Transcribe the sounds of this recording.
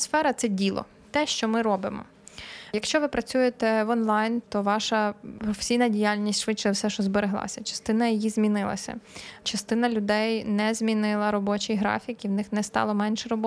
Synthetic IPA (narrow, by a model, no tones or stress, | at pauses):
sfɛɾɐt̪sɛdʲilˠɔ̰ | t̪ɛʃt͡ʃɔmɪɾɔbɪmɔ̰ | jɐkʃt͡ʃɔʋɪpɾɐt͡sʲujet̪ɛʋɔnlˠɑjnt̪ɔʋɑʃɐpɾɔfe̥sʲijnɐdʲijalʲnʲisʲtʲʃʋɪtt͡ʃɛwsɛʃɔzbeɾɪɦlˠɑ̰sʲɐt͡ʃɐ̥st̪ɪnɐjijizmʲinɪlˠɐ̰sʲɐ̰t͡ʃɐst̪ɪnɐlʲʊd̪ɛjnɛzʲmʲinɪlˠɐɾɔbɔt͡ʃijɦɾɑ̰fʲikiwnɪxnɛst̪ɑ̰lˠɔmɛnʲʃɛɾɔbɔ